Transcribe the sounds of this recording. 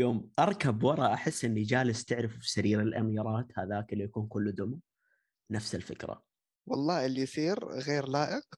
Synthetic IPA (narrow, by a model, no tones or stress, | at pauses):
joːmʔɑɾˤkabwɑɾˤɑʔaħɪsːʔɪnːid͡ʒaːlɪst̪ɪʕɾɪffi̥saɾiːɾɪlʔa̰miːɾˤɑːt̪haðaːkɪlːijakuːnkʊlːd̪ʊma | nafsɪlfɪ̰kɾa̰ | wɑlˤːɑːɪlːisiːɾɣeːɾlaːʔɪq